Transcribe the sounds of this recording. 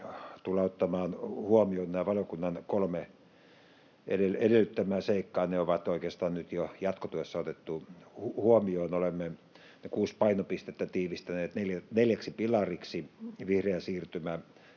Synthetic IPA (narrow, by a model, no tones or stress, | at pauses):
t̪ulɑot̪ːɑmɑːnhuomioːnnæːʋɑljokunːɑnkolme | ḛdeedelːyt̪ːæmæːseikːɑːneoʋɑt̪oˑikeːst̪ɑːnnyt̪jojɑt̪kot̪yesːɑot̪et̪ːuhuhuomioːnolemːe | nekuːspɑinopist̪et̪ːæt̪iːʋist̪æneːt̪neljæneljæksipilɑriksiʋihreæsiːrt̪ymæ